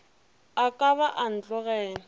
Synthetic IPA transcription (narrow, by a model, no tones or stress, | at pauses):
akʼaβaʔan̩t͡ɬʼɔɣɛːŋ